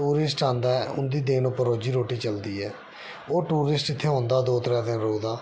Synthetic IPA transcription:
uːɾɪsʈãːnd̪aːɛʊnd̪iːd̪eːnõːpəɾoːd͡ʒiːɾoːʈiːt͡ʃəld̪iːɛː | oːʈuːɾɪsʈɪt̪ʰːeːɦõːnd̪aːd̪oːt̪əɾɛ̃ːd̪ɪnɾoːd̪aː

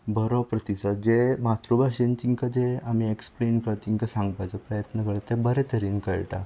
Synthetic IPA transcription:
bʱəɾɔpɾət̪isəd͡ʑemat̪ɾubaɕent͡ɕiŋkad͡zeamieksplenkəɭt͡ɕ̪iŋkasãŋɡpajt͡səpɾəjət̪nəkəɭet̪ebəɾet̪əɾiːnkəɭʈa̰

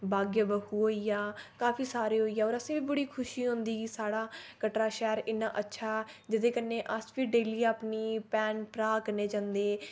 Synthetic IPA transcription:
baːɡjəbəkuːɦoːiːjaːkaːpʰiːsaːɾeːɦoːiːaːoːɾəsẽːbiːbəɽiːkʰʊʃiːɦʊ̃nd̪iːɡiːsaːɽaːkəʈɾaːʃɛːɾɪnːãːʔətːʃʰaːɛd͡ʒɪd̪ẽːkənẽːʔəspiːɖeːliːapniːpɛːnpɾaːkəɾneːd͡ʒãːnd̪eː

